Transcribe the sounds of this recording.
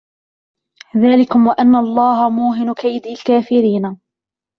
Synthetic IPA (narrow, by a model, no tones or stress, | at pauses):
ðaːlɪkʊmwaʔanːaʔɑlˤːɑːɦamuːɦɪnkajd̪iːlkaːfɪɾiːna